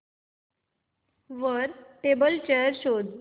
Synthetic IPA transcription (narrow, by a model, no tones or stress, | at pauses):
ʋəɾʈebəlt͡ɕeəɾɕod̪